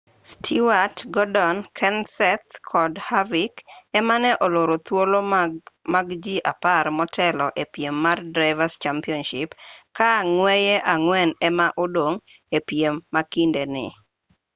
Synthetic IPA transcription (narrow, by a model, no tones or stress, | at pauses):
stʰiwatɡɔdɔnkʰɛnsɛt̪kʰɔdhavikɛmanɛʔɔloɾot̪wolomaɡd͡ʒiʔaparmɔtʰɛlɔʔepjemːardɾaɪvast͡ʃampiɔnʃɪpkaŋwɛjɛʔaŋwɛnɛmaʔodoŋ | epjemːakindenɪ̰